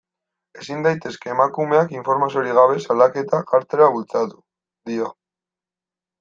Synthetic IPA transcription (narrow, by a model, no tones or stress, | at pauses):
e̞sind̪ajt̪e̞ske̞ːmakume̞akiɱfo̞ɾmas̬ioɾiɣ̞aβ̞e̞salake̞t̪akaɾt̪eɾaβult͡sat̪u̥ | ðio